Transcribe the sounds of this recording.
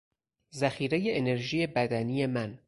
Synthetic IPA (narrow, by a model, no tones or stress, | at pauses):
zæxiːɾe̞jeene̞ɾʒiːje̞bæd̪ænije̞mæn